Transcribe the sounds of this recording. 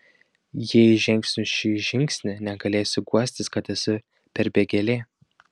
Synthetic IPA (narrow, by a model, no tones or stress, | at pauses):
jiɛʒʲɪŋʲksʲnʲʊʃʲiːʒʲɪŋʲksʲnʲɪnʲɛɡɐlʲeːsʲʊɡuɔsʲt̪ʲɪskɐt̪ɛsʊ | pʲɛɾbʲeɡʲɛlʲeː